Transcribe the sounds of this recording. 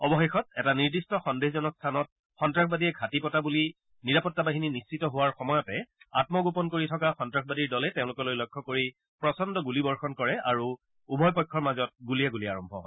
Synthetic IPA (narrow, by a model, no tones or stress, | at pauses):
ɔbɔxexɔtɛtaniɹdistɔxɔndexzɔnɔkstʰanɔt̚ | xɔntɹakʰbadijɛɡʱatipɔtabuli | niɹapɔtːabaɦininist͡ʃitɔɦʊwaɹxɔmɔjɔtɛatmɔɡopɔnkoɹitʰɔkaxɔntɹak̚ʰbadiɹdɔlɛtẽʊ̃lʊkɔlojlɔjkʰːɔkoɹi | pɹɔsɔndɔɡulibɔɹxɔnkɔɹɛaɹu | ubʱɔjpɔjkʰːɔɹmazɔt̚ɡuliɛɡuliaɹɔmbʱɔ̰ɦɔ̰